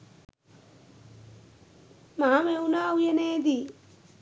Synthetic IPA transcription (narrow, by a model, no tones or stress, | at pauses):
maːmewnaːujɐneːd̪i